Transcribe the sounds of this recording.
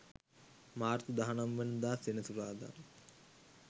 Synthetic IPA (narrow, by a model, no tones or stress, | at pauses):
maːrt̪əd̪aɦanamʋənud̪aːsenəsuɾaːd̪a̰n